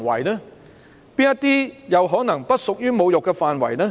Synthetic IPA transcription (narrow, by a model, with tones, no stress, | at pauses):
wɐ̰˨˩jnɛː˥ | piː˥njɐ˥t̪iː˥jɐ˨˧wɦɔː˨˥nɐ˨˩ŋpɐ˥t̚sʊ˨k̚jyː˥mo˨˧wjʊ˨kːɛ˧faː˨nwɐ̰˨˩jnɛː˥